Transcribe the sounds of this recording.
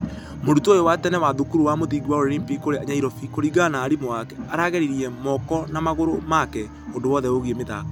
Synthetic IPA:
modutoːjowatɛnɛwaðukuɾuwamoðiɡwaoɾeɾimpikoɾeaɲaiɾɔfikoɾiɡanaːɾimoakɛaɾaɣɛɾiɾiɛmɔkɔnamaɣoɾomakɛ | ondowɔðɛoɣiemeða̰ka

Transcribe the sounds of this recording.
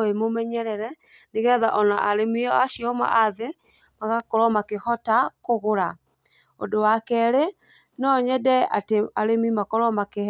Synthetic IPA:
emomɛɲɛɾɛɾɛ | neɣɛðaʔɔnaʔaɾemiɔaʃiɔma̰ʔaðe | maɣakɔɾɔmakehɔtakoɣoɾa | o̰dowakɛɾe | nɔɲɛdɛa̰teaɾemimakɔɾɔmake

